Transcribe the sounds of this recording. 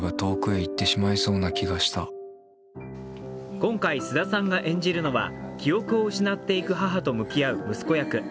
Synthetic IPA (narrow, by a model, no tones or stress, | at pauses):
ɡat̪o̞ːkɯ̟eit̪ːe̞ɕimaiso̞ːnakʲiɡaɕi̥t̪a | kõ̞ŋkaisɨd̪asãŋɡaʔẽ̞ɲ̟d͡ʑiɾɯ̟no̞βa̰kʲijo̞kɯ̟o̞ɯ̟ɕinat̪ːe̞ikɯ̟ɦaɦat̪o̞mɯ̟kʲijaɯ̟mɯ̟sɨ̥ko̞jakɯ̟